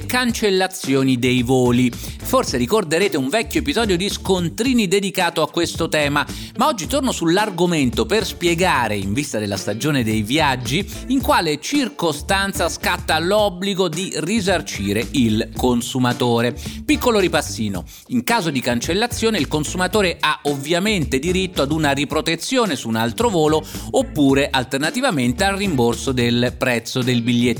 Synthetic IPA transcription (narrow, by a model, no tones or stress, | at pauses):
kant͡ʃelːat̪sːjoːnid̪ejvoːliforseɾikord̪eɾeːt̪euɱvɛkːjoepizɔːd̪jod̪iskont̪ɾiːnid̪ed̪ikaːt̪oakːwest̪ot̪ɛːma | maɔd͡ʒːit̪ornosulːarɡoment̪operspjeɡaːɾeiɱvist̪ad̪elːast̪ad͡ʒoːned̪ejvijad͡ʒːiː | ŋkwaːlet͡ʃirkost̪ant̪saskat̪ːalɔbːliɡod̪irizart͡ʃiːɾeilkonsumat̪oːɾepikːoloɾipasːiːno̰ | iŋkaːzod̪ikant͡ʃelːat̪sːjoːneilkonsumat̪oːɾeʔaovjament̪ed̪iɾit̪ːoad̪unaripɾot̪et̪sːjoːnesuːnalt̪ɾovoːloopːuːɾeʔalt̪ernat̪ivament̪ealrimborsod̪elpɾɛt̪sːod̪elbiʎːjeː